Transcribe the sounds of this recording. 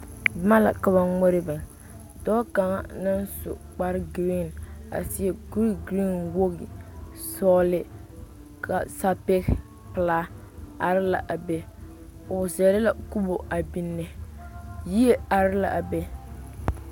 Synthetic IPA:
bɪ˨˦ma˦la̰˨ka˨βa˨ŋo˦ɾɪ˦bɨ˨ŋ | dɔ˦ka˨ŋa̰˦na˦nsʊ̰˨k͡pa˦ɾɪ˦ɡɾi˦˨na̰˨sɪ˦ɛ˦˨ɡu˦ɾɡɾi˦nwo˦ɣɪ˨ | sɔː˦lɪ˦ | kʰa˨sa˦pe˦ɣ | pɨ˨laː˦ | a˨ɾɪ˦la̰˨ʔa˨bɛ˦ | ʊ˨sɛ˨lɪ˦la˨ku˦bo˨a˨bi˦nːɛ˨ | ji˦e˦a˨ɾɪ˦la̰˨ʔa˨bɛ˦

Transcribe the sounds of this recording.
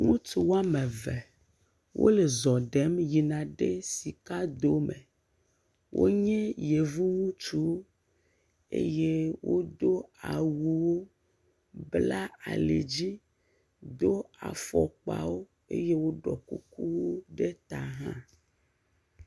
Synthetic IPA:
ŋũ˦t̪u˨wa˦mɛ̃˨vɛ˨ | wʔo̰˦le˨zɔ˨ɖɛ˨˦mji˨nã˨ɖe˦si˨ka˦d̪o˦mɛ̰̃˨ | wʔo̰˦ɲɛ̃˦je˨vu˦ŋũ˦t͡ʃu˦wo˦ | ḛ˦je˦wo˦d̪o˦a˨wu˦wo˦ | bla˦a̰˨lḛ˨d͡ʑi˦ | d̪o˦a̰˨fɔ̰˨k͡pa̰˨˦wo˦ | ḛ˦je˦wo˦ɖɔ̰˨kṵ˦ku˦wo˦ɖe˦t̪a˨ɦã˦

